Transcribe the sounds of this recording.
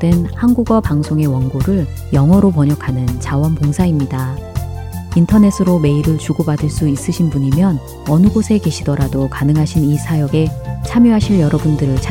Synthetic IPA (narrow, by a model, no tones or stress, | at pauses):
denhanɡuɡwapaŋsʰoŋe̞wʌŋɡoɾɯɭ | jʌŋɦʌɾopʌɲʌkʰanɯnt͡ɕawʌnpoŋsʰaimɲida | intʰʌne̞sʰɯɾome̞iɾɯɭt͡ɕuɡobadɯɭs͈uis͈ɯɕʰinbuɲimjʌn | ʌnɯɡosʰe̞ke̞ɕʰidʌɾadokanɯŋɦaɕʰinisʰajʌɡe̞t͡ɕʰamjoɦaɕʰiɭjʌɾʌbundɯɾɯɭt͡ɕʰ